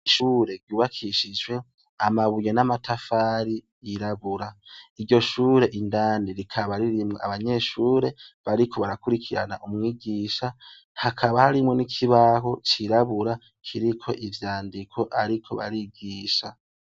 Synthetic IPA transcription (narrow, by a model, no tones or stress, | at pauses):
iʃuːɾe̞ɾɟuːβakʰiʃid͡ʒwe̞ | amaβujenamatafaːɾi | jiɾaβuɾaiɟo̞ʃuːɾe̞ʔindaːniɾikʰaβaɾiɾimŋea̰βaɲe̞ʃuːɾe̞βaɾikʰo̞βaɾakuɾikʰiɾa̰na̰ʔumŋiːɡiʃa | hakʰaβahaɾimŋe̞nikʰiβaɦo̞t͡ʃiɾaβuɾa | kʰiɾikʰo̞̰ʔivjaːndikʰo̞ʔaɾikʰo̞̰βa̰ɾiɡiːʃa